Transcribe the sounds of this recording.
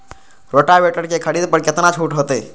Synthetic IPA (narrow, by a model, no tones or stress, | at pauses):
ɾoːʈaʋeːʈəɽkekʰəɽiːd̪pəɾkɪt̪nat͡ʃʰuːʈɦoːt̪eː